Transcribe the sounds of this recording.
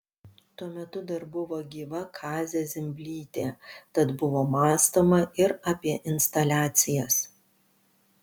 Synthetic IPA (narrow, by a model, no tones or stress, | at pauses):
t̪uɔmʲɛt̪ʊd̪ɐɾbʊʋoːɡʲiːʋɐkʰɑːzʲɛzʲɪmʲbʲlʲiːt̪ʲeːt̪ɐt̪bʊʋoːmɑːst̪oːmɐɪɾɐpʲiɛʔɪnʲst̪ɐlʲæːt̪sʲɪjɛs